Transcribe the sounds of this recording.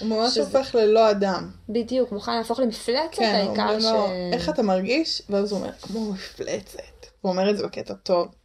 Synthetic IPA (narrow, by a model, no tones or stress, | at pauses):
umamaʃofe̞χlelo̞adambidijukmuχanlaːfo̞χlemiflet͡skeenaiṵkaaoeχatamaʁɡiʃveazuomʔḛʁkmomiflʔḛt͡setuome̞ʁetzebeketato̞v